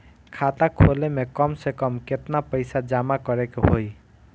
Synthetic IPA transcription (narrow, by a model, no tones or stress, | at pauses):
kʰat̪akʰolemekɔmsekɔmket̪napəɪsad͡ʒamakɔɾekeɦoj